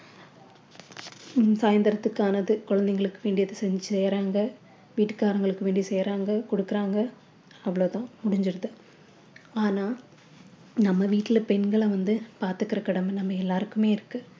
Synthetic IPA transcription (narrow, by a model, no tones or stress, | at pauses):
saːjɐnd̪ɐɾɐt̪ːɯkːaːnɐðɯkɔɻɐnd̪ɛŋɡɐɭɯkːɯʋeːɳɖɪjɐðɯsɛɲd͡ʒɯsɛːɾaːŋɡɐ | ʋiːʈːɯ̥kaːɾɐŋɡɐɭɯkːɯʋeːɳɖisɛjɾaːŋɡɐkɔɽɯkːɪɾaːŋɡɐ | ɐʋːɐɭoːt̪ãːmʊɽɪɲd͡ʒɪɾɯðɯ | aːnaː | nɐmːɐʋiːʈːɪlpɛnɡɐɭɐʋɐnd̪ɯpaːɾt̪ɯkːɪɾɐkɐɽɐmɛnɐmːɐɛlːaːɾɯkːɯmeːɪɾɯkːɯ̃